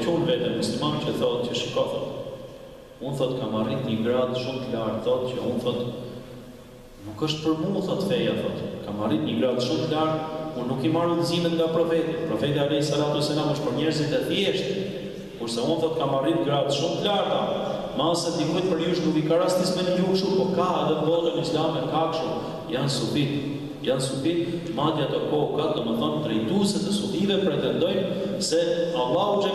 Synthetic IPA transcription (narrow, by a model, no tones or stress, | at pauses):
t͡ʃunvɛt̪ɛnmuslimanucəθɔt̪̚cəʃikɔθɔt̪ | unθɔt̪kamarit̪ɲəɡɾad̪ʃumt̪əlaɾt̪θɔt̪cəunθɔt̪ | nukəʃt̪pəɾmuθɔt̪fɛjaθɔt̪kamarit̪ɲəɡɾad̪ʃumt̪əlaɾt̪unːukimaɾud̪əzimɛt̪ŋɡapɾɔfɛt̪japɾɔfɛt̪iaɾɛsaɾat̪ɔsɛnaməʃt̪pəɾɲɛɾzit̪d̪ɛt̪jɛʃt̪ | kuɾsɛunθɔt̪kamarit̪ɡɾad̪ʃumt̪əlaɾt̪a | malsɛd̪ikujt̪̚pəɾjuʃnukikaɾast̪ismɛnəlukʃuɾpɔɾkaɛðɛbɔɾanislamɛkakʃəm | jansubit̪ | jansubit̪̚ | mad̪jat̪ɔkɔkad̪ɔməθɔnt̪ɾɛjt̪usɛt̪ɛsubivɛpɾɛt̪ɛnd̪ɔjm | sɛalˠːaut͡ʃɛ